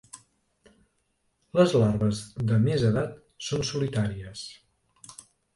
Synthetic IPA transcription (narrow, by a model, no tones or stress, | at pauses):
ləzlaɾβəzðəmezəðat̪ | sonsulit̪aɾiəs